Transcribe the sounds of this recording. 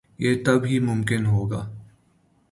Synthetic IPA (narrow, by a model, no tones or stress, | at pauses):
jeːt̪ɐbɦimʊ̃mkɪnɦoːɡaː